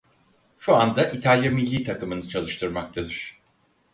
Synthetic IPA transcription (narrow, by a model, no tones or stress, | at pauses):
ʃuand̪aʔit̪ʰalʲjamilʲːiːt̪ʰakɯmɯnɯt͡ʃʰalˠɯʃt̪ʰɯɾmak̚t̪ʰad̪ɯɾ̥